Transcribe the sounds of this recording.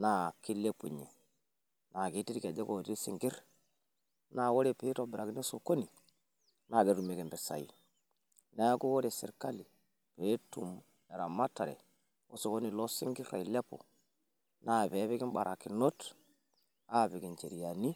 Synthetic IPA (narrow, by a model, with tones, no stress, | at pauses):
na˨ki˦lːe˦pṵ˨ɲe˨ | na˨ɡi˦ti˦ɾke˨de˦ko˨ti˦si˨ŋɡi˦ɾ | na˨wo˦ɾe˨pe˦ɾo˨bi˨ɾa˨ki˦ni˦so˨ko˦ni˨ | na˨ɡi˦ɾu˨me˨ki˨mbi˨sa̰˨jḭ˨ | na˦jko˦wo˦ɾe˨sḭ˨ɾka˦li˨ | pe˨˦tu˨m | e˨ɾa˨ma˦tːa˨ɾḛ˨ | o˦so˨ko˦ni˨lo˦si˦ŋɡi˦ɾɾa̰˨i˨le˦po̰˨ | na˨be˨˦βi˦ɡi˦mɓa̰˨ɾa˨ki˨no˦t | a˦˨bi˨ɡi˨nt͡ʃe˨ɾi˨ja˨ni˦